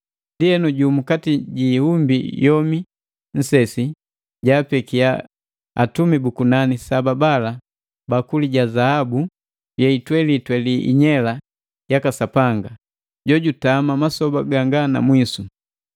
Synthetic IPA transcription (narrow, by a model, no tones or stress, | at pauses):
ndiɛnuɟumukatiɟiːhumbḭjɔmi | n̩sɛsi | ɟaːpɛkia | a̰tumibukunanisababala | bakuliɟazahabu | jɛitwɛlitwɛliʔḭɲɛla | jakasapaŋɡa | ɟɔɟutamamasɔbaɡaŋɡana̰mwisu